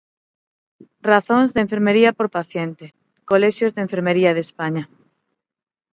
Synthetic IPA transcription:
raθõŋzðeɱfeɾmeɾiapoɾpaθjent̪e | koleʃjozðeɱfeɾmeɾiaðespaɲa

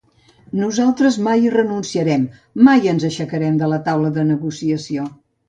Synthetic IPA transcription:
nuzalˠt̪ɾəzmajrənunsiəɾɛmː | ajənzəʃəkəɾɛmd̪ələt̪awləðənəɣusiəsio

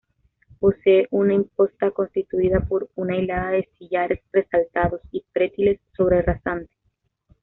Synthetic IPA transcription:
po̞seːʔunaimpo̞st̪ako̞nst̪it̪uiðapo̞ɾunajlaðaðe̞siʝaɾe̞sre̞salt̪aðo̞sifɾe̞t̪ile̞sːo̞β̞ɾerasant̪e̥

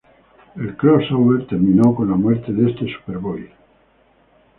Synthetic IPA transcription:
elkɾosowβeɾt̪eɾmĩnowkonlamweɾt̪eðest̪esu̥peɾβoj

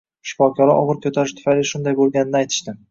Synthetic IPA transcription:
ʃɪ̥fɒkʲʰɒɾaʔɒ̰ʁɨɾkʰɵt̪ʰaɾɪʃt̪ʰʊ̥fajlɪʃʊnd̪ajbolˠɡʲanɪnajt̪ʰɪ̥ʃt̪ɪ

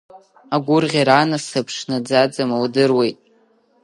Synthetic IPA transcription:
aɡʷʊrʁʲiɾanasɨpʰʂnad͡zad͡zamawdɨrwe̞jtʼ

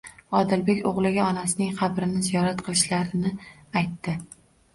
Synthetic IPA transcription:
ɒd̪ɪlbe̞kʲoʁlˠɪɡʲaɒnasɪnɪŋqʰɑbɾɪnɪzijɒɾat̪̚qʰɨlˠɪʃlaɾɪnɪajt̪ːɪ

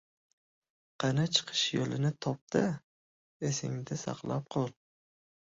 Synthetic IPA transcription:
qʰɑnat͡ʃʰɨ̥qʰɨ̥ʃjolɪnɪt̪ʰɒp̚d̪ɪ | esɪ̰ŋd̪ɪsɑ̰qlˠap̚qʰolˠ

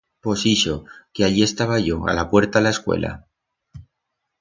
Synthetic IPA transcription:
po̞siʃo̞keaʎie̞st̪aβaʝo̞a̰lapwe̞ɾt̪alae̞skwe̞̰lʔa̰

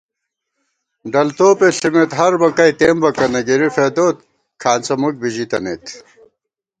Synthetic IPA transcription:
ɖɐlt̪oːpeɬimet̪ɦɐɾbɐkɐjt̪eːmbɐkɐnɐɡiɾifed̪oːt̪̚ | kʰaːnt͡sɐmuk̚biʑit̪ɐnḛt̪

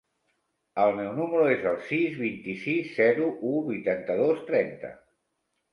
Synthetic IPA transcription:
əlˠmɛwnuməɾuezəlˠsizβint̪isizːɛɾuʔuβujt̪ant̪əðost̪ɾɛnt̪ə̰

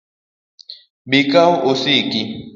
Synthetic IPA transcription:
ɓikaosiki

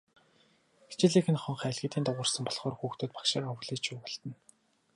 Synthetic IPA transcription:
ɡe̥t͡ɕɪ̆ɮiːxʰɘ̆nχɔ̆ɴχæːɮɣĭːt̪iːnt̪ʊʁə̆rsə̆mpɔɮχɔːrxuːxt̪oːt̪pḁkʃaːrɔwɮiːt͡ɕʰʊːpɔɮt̪ə̆n

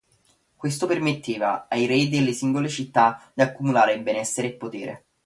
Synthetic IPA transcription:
kwest̪opermet̪ʰːeːvaajɾɛjd̪elːesiŋɡolet͡ʃit̪ːad̪iakːumulaːɾeibenɛsːeɾeːpːot̪eːɾḛ

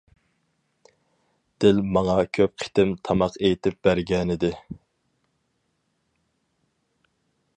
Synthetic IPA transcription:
d̪̥ɪlmɑŋɑkʲʰøp̚qʰɪ̥t̪ɪmt̪ʰɑmɑqʰejt̪ʰɪp̚b̥æɾɡʲɛnɪd̪ɪ

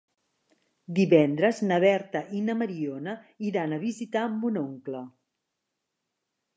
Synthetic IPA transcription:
d̪iβɛnd̪ɾəznəβɛɾt̪əʔinəməɾionə | iɾanəβizit̪ambunoŋklə

